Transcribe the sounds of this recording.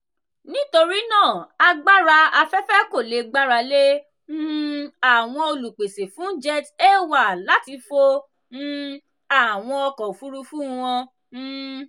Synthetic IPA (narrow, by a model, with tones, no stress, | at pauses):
nĩ˦to˧ɾi˦nãː˦˨a˧ɡ͡ba˦ɾa˧a˧fɛ˦fɛ˦ko˦˨le˨ɡ͡ba˦ɾa˧lẽ˦ | a˦˨w̃ɔ̃˧o˧lu˨k͡pe˨se˨fũ˨˦d͡ʒɛ˦˧te˦˨wa˦˨la˨˦ti˧fo˧ | n̩˧ | a˨w̃ɔ̃˧ɔ˧kɔ̃˨fu˦ɾu˧fũ˦˧w̃ɔ̃˧